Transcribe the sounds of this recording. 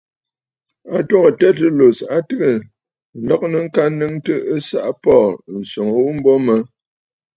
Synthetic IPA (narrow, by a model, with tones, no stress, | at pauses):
a˨two˦ŋə˨tɛ˦tə˦lo˨sa˦tɨ˦ɣə˨ | lɔ˦k̚nə˨ŋ̩˦ka˦nɨ˦ŋtə˦ə˦sa̰˦ʔpɔː˦˨n̩˨so˨ŋə˨wu˦m̩˦bɔ˦mə˦